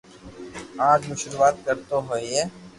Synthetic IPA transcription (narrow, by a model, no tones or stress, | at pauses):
ãːd͡ʒmʊʃɾuʋaːt̪̚kəɾt̪oɦoieː